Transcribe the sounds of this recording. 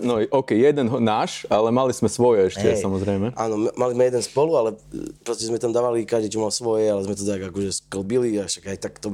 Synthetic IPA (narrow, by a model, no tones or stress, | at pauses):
nɔɔʊkɛjjɛd̪ɛnɦnaːʃalɛmalizmɛsʋɔjɛɛʃcɛsamɔzɾɛjmɛa̰ːnɔmmalizmɛjɛd̪ɛnspɔlualɛpɾɔscɛzmɛt̪amd̪aːʋalikaʒd̪it͡ʃɔmalsʋɔjɛalɛzmɛt̪ɔt̪aɡakɔʒɛskl̩biliaʃaɡajt̪akt̪ɔ